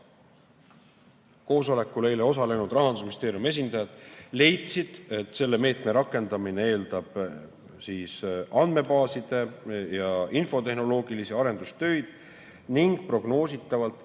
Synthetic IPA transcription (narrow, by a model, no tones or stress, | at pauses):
ko̞ːso̞le̞kːˑule̞jle̞o̞s̬ɑle̞nud̪̥rɑɦɑnd̪usminist̪e̞ːɾijume̞s̬ʲind̪ɑjɑd̪̥le̞jt̪sid̪̥e̞t̪ːˑse̞lːe̞me̞ːt̪meɾɑkːˑe̞nd̪̥ɑminee̞ːld̪̥ɑb̥ | siːsɑnd̪̥me̞bɑːsid̪̥e̞jɑinfo̞t̪e̞hno̞lo̞ːɡ̥ilisiɑɾe̞nd̪̥ust̪ø̞jd̪̥ | niŋɡ̥̚pro̞ɡ̥no̞ːsit̪ːˑɑvɑlt̪ˑ